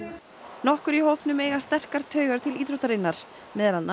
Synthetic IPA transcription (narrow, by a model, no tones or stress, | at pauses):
nɔhkʏɾiɦowpnʏmeːjɣast̪ɛr̥kaɾ̥t̪ʰœːɥɣaɾ̥t̪ʰɪliːt̪ɾowt̪aɾɪnːaɾ̥ | mɛðɾanːa